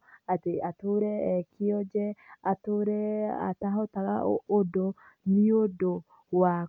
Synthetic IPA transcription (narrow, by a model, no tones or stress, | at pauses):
ateatoɾɛːkiɔd͡ʒɛatoɾɛa̰taɦɔtaɣaoːdo | niodo | wa